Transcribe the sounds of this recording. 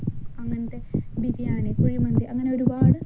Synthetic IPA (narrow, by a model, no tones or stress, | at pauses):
ɐŋːɐnɐt̪ːebid͡ʑijaːɳɨkuɻimɐɳd̪iʔɐŋːɐne̞o̞ɾubaːɽɨ